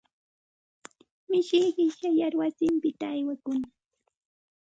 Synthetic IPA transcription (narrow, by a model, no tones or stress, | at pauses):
mɪʃɪjɢɪʃajaɾwasɪmpɪt̪aːjwakʊna